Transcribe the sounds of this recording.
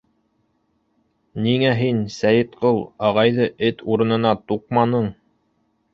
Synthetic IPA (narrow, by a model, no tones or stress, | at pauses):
niŋæɦinsæjɘ̆t̪qɤlˠɑʁɑjðɤʔɘt̪uɾɤ̆nɤ̆nɑt̪uq̚mɑnɤɴ